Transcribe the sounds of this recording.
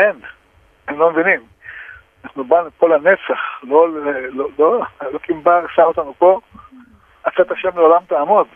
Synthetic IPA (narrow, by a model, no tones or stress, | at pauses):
en | emlomevinim | naχnubanuko̞lane̞t͡saχlolelololokimbaʁsaot̪anupo̞ | at͡sat̪aʃemleolamt̪aːmod̪